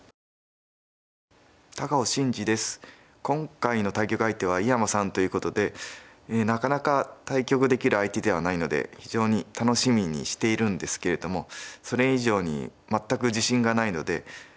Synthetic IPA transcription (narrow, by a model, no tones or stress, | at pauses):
t̪akaoɕĩɲ̟d͡ʑid̪e̞sɨ̥ | kõ̞ŋkaino̞t̪aikʲokɯ̟ait̪e̞β̞aijamasãnt̪o̞jɯ̟ːko̞t̪o̞d̪e̞ | nakanakat̪aikʲo̞kɯ̟d̪e̞kʲiɾɯ̟ait̪e̞d̪e̞β̞anaino̞d̪e̞̰çiʑo̞ːɲ̟it̪ano̞ɕimʲiɲ̟ḭɕi̥t̪e̞iɾɯ̟̃nd̪e̞sɨ̥ke̞ɾe̞d̪o̞mo̞so̞ɾe̞iʑo̞ːɲ̟ḭ | mat̪ːakɯ̟ʑiɕĩŋɡanaino̞d̪e̞